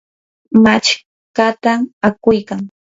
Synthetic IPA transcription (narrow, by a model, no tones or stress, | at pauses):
mat͡ʃ | kat̪amakʊjkaŋ